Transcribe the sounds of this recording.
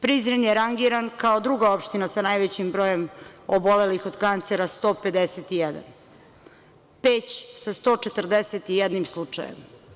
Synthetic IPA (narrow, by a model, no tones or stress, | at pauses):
pɾizɾenjeɾaŋɡiɾankao̞d̪ɾuɡao̞pʃt̪inasanajʋet͡ɕimbɾo̞ːjemobo̞le̞lixo̞d̪kant̪seɾast̪o̞ːpe̞d̪eset̪ijɛd̪a̰n | peːt͡ɕsast̪o̞t͡ʃet̪rd̪eset̪ijed̪nimslˠut͡ʂa̰jḛm